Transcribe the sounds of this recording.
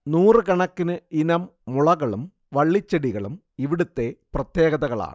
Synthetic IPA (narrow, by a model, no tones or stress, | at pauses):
nuːrɨkɐɳɐkːinɨinɐmːuɭɐɣɐɭum | ʋɐɭːit͡ɕːɐɽiɣɐɭum | iʋiɽut̪ːe̞prɐt̪jeːɣɐðɐɣɐɭa̰ːɳɨ